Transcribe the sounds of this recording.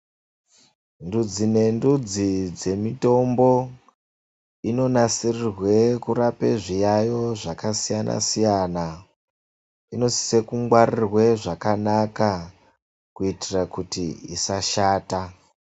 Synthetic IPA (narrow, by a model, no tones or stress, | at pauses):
ndud͡zine̞ndud͡zid͡ze̞mito̞mbo̞ | ino̞nasirirwe̞kuɾapeʐijajo̞ʐakasijana̰sijana | ino̞si̥se̞kuŋɡwarirwe̞ʐakanaka | kuitirakutḭḭsaʃaːta